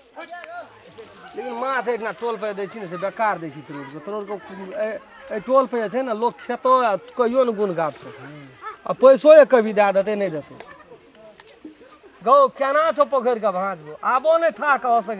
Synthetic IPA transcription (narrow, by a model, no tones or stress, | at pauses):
lekinmãt͡ʃʰəʈʰnaʈolpəjd̪et͡ʃʰinis̬ebekaɾd̪et͡ʃʰit̪əɾoɽket̪əɾoɾke | əjʈolpəjɛt͡ʃʰɛnalokkʰet̪oakəijonɡunɡab̚t͡ʃʰo | a̰pəjsojekəbʱid̪ad̪ət̪enəd͡ʒət̪o̰ | ɡəokenat͡ʃʰopəkʰəɾkabʱãd͡ʒboʔabonət̪ʰakəɦɔs̬ək